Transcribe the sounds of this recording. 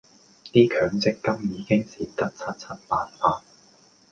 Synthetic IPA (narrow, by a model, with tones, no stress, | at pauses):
t̪iː˥kʰœː˨˧˥ŋt͡sɪ˨˥kːɐ˥mjiː˨˧kɪ˥ŋsiː˨t̪ɐ˥t̚t͡sʰɐ˥t̚t͡sʰɐ˥t̚paː˨˧nfaː˧